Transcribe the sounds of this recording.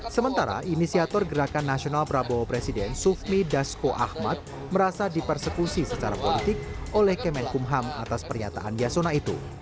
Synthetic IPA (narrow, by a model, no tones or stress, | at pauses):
səmənt̪aɾa̰ʔinisiat̪ɔrɡəɾakanːasionalpɾabopɾesidɛnsufmidaskoʔa̰hmat̪̚ | məɾasadipərsəkusisət͡ʃaɾapolit̪ɪk̚olɛhkɛmɛnkumɦama̰t̪aspərɲat̪a̰ʔanjasonait̪ṵ